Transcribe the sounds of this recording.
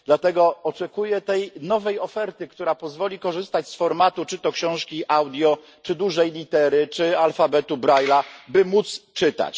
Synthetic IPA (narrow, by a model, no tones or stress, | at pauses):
d̪̥lat̪ɛɡɔɔt͡ʂɛkujɛt̪ɛjnɔvɛjɔfɛɾt̪ɘkt̪uɾapɔzvɔlʲikɔʐɘst̪at͡ɕsfɔɾmat̪ut͡ʂɘt̪ɔkɕɔ̃w̃ʂkʲiʔawd̪ʲjɔ | t͡ʂɘd̪uʐɛjlʲit̪ɛɾɘt͡ʂɘalfabɛt̪ubɾajlabɘmut̪st͡ʂɘt̪a̰t͡ɕ